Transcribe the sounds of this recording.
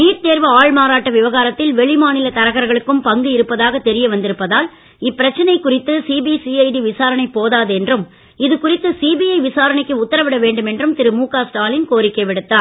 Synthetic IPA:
niːʈt̪eːɾʋɐaːɭmaːɾaːʈːɐʋɪʋɐɣaːɾɐt̪ːɪlʋɛɭɪmaːnɪlɐt̪ɐɾɐɣɐɾɣɐɭɯkːɯmpɐŋɡɯɪɾɯpːɐðaːɣɐt̪ɛɾɪjɐʋɐnd̪ɪɾɯpːɐðaːl | ɪpːɪɾɐt͡ʃːɐnɐɪkːʊrɪt̪ːɯsiːbisiːɐɪɖiʋɪsaːɾɐɳɐɪpːoːðaːðɛndrɯm | ɪðɯkʊrɪt̪ːɯsiːbiɐɪʋɪsaːɾɐɳɪkːɯʊt̪ːɐɾɐʋɪɽɐʋeːɳɖɯmɛndrɯmt̪ɪɾɯmuːkaːsʈaːlɪnkoːɾɪkːɐʋɪɽɯt̪ːaː

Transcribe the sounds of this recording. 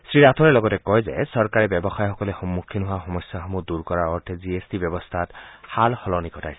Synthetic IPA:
sɹiɹat̪ʰɔɹɛlɔɡɔtɛkɔjzɛ̰sɔɹkaɹɛbjɔbɔxajxɔkɔlexɔmːukʰːinɦʊaxɔmɔsjaxɔmuduɹkɔɹaɔɹt̪ʰeziesdibjɔbɔst̪ʰathalxɔlɔnikɔtʰa̰j

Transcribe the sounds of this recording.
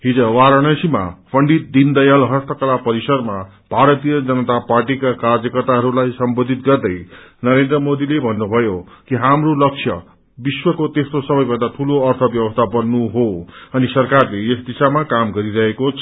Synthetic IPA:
ɦid͡zʌwaɾʌɽ̃ʌsima̰pʰʌɳɖit̪̚d̪ind̪ʌjalɦʌst̪ʰʌkʌlapʌɾisʌrma | b̥ʱaɾʌt̪ijʌd͡zʌnʌt̪aparʈikakard͡zjʌkʌrt̪aɦʌɾulajsʌmbod̪ʱit̪ɡʌrd̪ʌjnʌɾend̪rʌmod̪ilebʱʌnːubʱʌjo | kiɦamrolʌk̚sʰjʌ̰ | biswʌkot̪est̪osʌbʌjbʌnd̪at̪ʰuloʌrt̪ʰʌbjʌbʌst̪ʰabʌnːuɦoʌnisʌrkarleesd̪isamakamɡʌɾiɾʌɦekot͡sʰʌ

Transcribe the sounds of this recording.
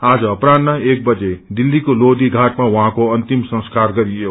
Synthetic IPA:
ad͡zʌːprand̪maek̚bʌd͡zed̪ilːikolod̪iɡʱaʈmawʌɦãkoʌnt̪imsʌ̃skarɡʌɾijo

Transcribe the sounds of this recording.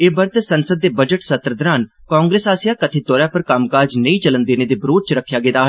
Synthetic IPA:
eːbəɾt̪esənsəd̪̚ːeːbəd͡ʒəʈsət̪ɾəd̪ɾaːn | kãːŋɡɾeːsaːsijaːkət̪ʰeːt̪ɔːɾjãːpəɾkamkaːd͡ʒnəĩːt͡ʃələnd̪eːneːd̪eːbɾoːt͡ʃɾəkʰːjaːɡeːd̪aːɦ

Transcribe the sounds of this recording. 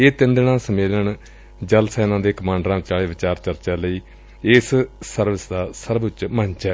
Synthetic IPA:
eːt̪ɪ̃nd̪ɳãːsəmeːləɳ | d͡ʒəlsɛːnãːd̪eːkəmãːɳɖɾãːt͡ʃaːɭeːʋɪt͡ʃaːɾt͡ʃəɾt͡ʃaːləiː | ɪssəɾʋɪsd̪aːsəɾbt͡ʃməɲt͡ʃɛː

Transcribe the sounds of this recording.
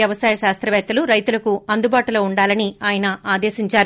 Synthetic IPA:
jɐʋɐsaːjɐʃaːst̪ɾɐʋɛːt̪ːɐluɾɐjt̪ulɐkuɐnd̪ubaːʈuloːuɳɖaːlɐniaːjɐnɐʔaːd̪eːʃiɲt͡ʃaːɾu

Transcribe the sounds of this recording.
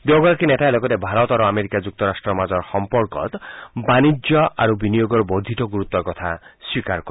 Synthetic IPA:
d̪eɡɔɾakinetaelɔɡɔt̪ebʱaɾɔt̪aɾoameɾikad͡ʒuk̚t̪ɔɾasʈɾɔmad͡ʒɔɾxɔmpɔɾkɔ̰t̪banid͡ʒjɔa̰ɾubinijoɡɔɾɔbod̪ʱit̪ɔɡuɾut̪ɔkɔt̪ʰaswikaɾkɔ

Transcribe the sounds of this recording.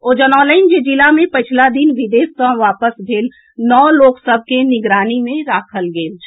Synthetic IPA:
oːd͡ʒənɔːləɪnd͡ʒed͡ʒɪlamẽpət͡ʃʰlad̪inʋɪd̪eːskãʋaːpəsbʱeːl | nɔːloːksəb̚ʱkenɪɡɾaːnimẽɾaːkʰəlɡeːl

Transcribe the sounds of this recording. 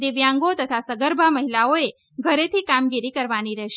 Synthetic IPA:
d̪eʋjãŋɡot̪ət̪ʰasəɡəɾbʱaməɦilaoe | ɡʱəɾet̪ʰikamɡiɾikəɾʋaniɾɛɦʃ

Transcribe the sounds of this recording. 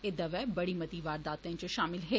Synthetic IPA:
ɪd̪əʋɛːbɐɽiːmɐt̪iːʋaːɾd̪aːt̪ẽt͡ʃəʃaːmɪlɦeː

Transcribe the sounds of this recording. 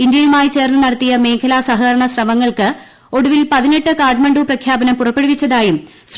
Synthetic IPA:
ind̪jɐjumaːjit͡ɕe̞ːrnɨnɐɽɐt̪ːijɐme̞ːŋkʰɐlaːsɐɦɐɾɐɳɐsrɐmɐŋːɐɭkɨ | o̞ɽuʋilpɐðine̞ʈːɨkaːrɖmɐɳɖuːprɐkʰjaːbɐnɐmpurɐpːe̞ɽuʋit͡ɕːɐðaːjum | s

